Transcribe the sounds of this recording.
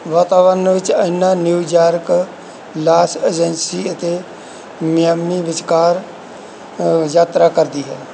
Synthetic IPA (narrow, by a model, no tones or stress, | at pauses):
ʋaːt̪aːʋənʋɪt͡ʃəɪnːaːnjuːd͡ʒaːɾk | laːseːd͡ʒənsiːət̪e | mɪjəmːiʋɪt͡ʃkaːɾ | jaːt̪ɾaːkəɾd̪iːɦɛː